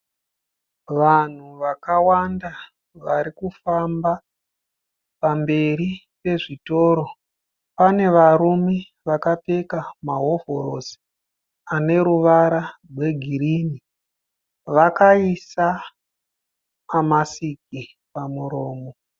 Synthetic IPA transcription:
ʋan̤uʋakawanda | ʋaɾikufamba | pambe̞ɾi | pe̞ʐito̞ːɾo̞ | pane̞ʋaɾume | ʋakape̞kamaɦo̞vo̞ɾo̞si̥ | ane̞ɾuʋaɾarwe̞ɡʱirini | ʋakaisa | masiki | pamuɾo̞ːmo

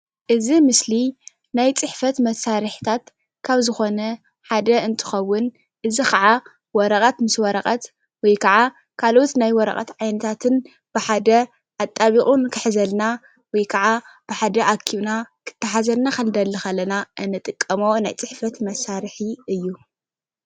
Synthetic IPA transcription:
ʔɨzimɨsli | najt͡sʼɨħfɐt̪mɐsaɾɨħi̥t̪ʰat̪ | kʰaβzɨxo̞nɐ | ħad̪ɐɨnt̪ʰɨ̥xɐwːʊn | ʔɨzikʰɐʕa | wɔɾɐkʼɐt̪mɨswɔɾɐqʼɐt̪ | wɔjkʰɐʕa | kʰalo̞t̪najwɔɾɐ̰qʼɐ̰t̪ʕajnɐt̪ʰat̪ʰɨn | b̥ɨħad̪ɐ | ʔat̪ʼːaβiχʼunkʰɨħzɐlna | wɔjkʰɐʕab̥ɨħad̪ɐʔakʰiβnakʰɨ̥t̪ʰːɐħazɐlnakɐld̪ɐlːɨxɐlːɐnaʔɨnːɨt̪ʼɨkʼːɐmonajt͡sʼɨħfɐt̪mɐsaɾɨħiɨjːu

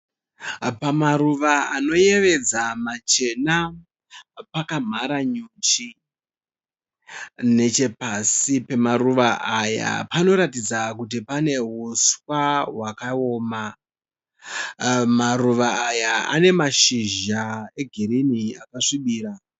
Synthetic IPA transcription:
pamaɾuʋaano̞je̞ʋe̞d͡zamat͡ʃe̞na | pakam̤aɾaɲut͡ʃi | ne̞t͡ʃe̞pasipe̞maɾuʋaʔaja̰pano̞ɾatid͡zakut̬ipane̞ɦuswaɦwakao̞ːma | maruʋaːjaa̰ne̞maʃiʒae̞ɡʱiɾiniakaʂiɓiːɾa

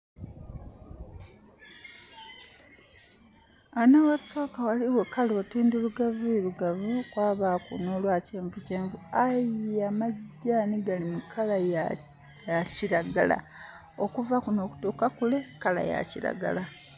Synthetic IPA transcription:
anawasoːkawaliwekalotiːnduluɡavueluɡavukwaːβakṵno̞lwaːceːɱvuceːɱvuajiamaɟːaːniɡalimukʰalaj | aciɾaɡala̰ | okuvakuno̞ːku̥tuːkakule̞kala̰ja̰ciɾa̰ɡa̰la

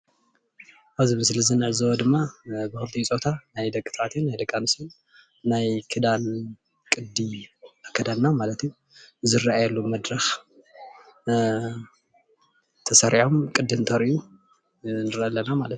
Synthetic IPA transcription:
ʔaβzɨmɨslɨzɨnɨʕɨzɐwɐd̪ɨmːabɨxɨlt̪ʰijt͡sʼot̪ʰanajd̪ɐkʼːɨ̥t̪ʰat̪ʰɨnːajd̪ɐkʼːanusɨnː | ajkʰɨd̪an | kʼɨd̪iakʰːɐd̪anːamalɐt̪ju | zɨɾaajɐlːumɐd̪ɾɐx | t̪ʰɐsɐɾʔiħomkʼɨd̪ːɨnt̪ʰɐɾiju | nɨɾʔɐlːɐnamalɐt̪

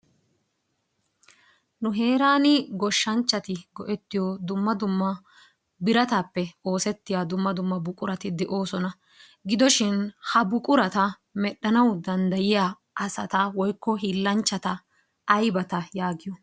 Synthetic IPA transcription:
nʊɦe̞ːɾaːnɪɡɔʃːɐnt͡ʃːɐt̪ɪɡɔʔɛt̪ːɪjɔd̪ʊmːɐd̪ʊmːɐ | bɪɾɐt̪aːpːɛo̞ːsɛt̪ːɪjaːd̪ʊmːɐd̪ʊmːɐbʊkʼʊɾɐt̪ɪd̪ɛʔo̞ːsɔnɐ | ɡɪd̪ɔʃɪnhɐbʊkʼʊɾɐt̪ɐ | mɛɗːɐnɐwd̪ɐnd̪ɐjɪjaː | ʔɐsɐ̰t̪ɐwɔjkːɔɦilːɐnt͡ʃːɐt̪ɐ | ʔːjbɐt̪ɐjaːɡɪjɔ

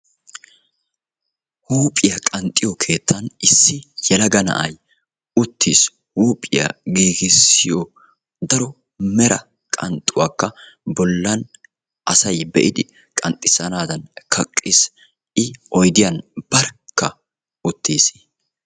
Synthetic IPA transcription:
huːpʼɪjɐkʼɐnt̪ʼːɪjɔkʰe̞ːt̪ːɐnɪsːɪjɛlɐɡɐnɐ̰ʔɐj | ʊt̪ːiːs | huːpʼɪjɐ̰ɡiːɡɪsɪjɔ | d̪ɐɾɔ | mɛɾɐ̰ | kʼɐnt̪ʼːʊwaːkːɐ | bɔlːɐn | ʔɐsɐjbɛ̰ʔɪd̪ɪ | kʼɐnt̪ʼɪsɐnaːd̪ɐnkʰɐkʼːis | ʔɪɔjd̪ɪjɐnb̥ɐɾkːɐ | ʊt̪ːiːs

